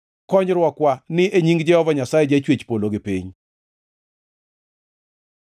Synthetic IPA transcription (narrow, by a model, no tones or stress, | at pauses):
kɔɲɾwɔkwanɪʔeɲiŋɡd͡ʒɛhɔvaɲasajɛd͡ʒet͡ʃwet͡ʃpoloɡɪpiɲ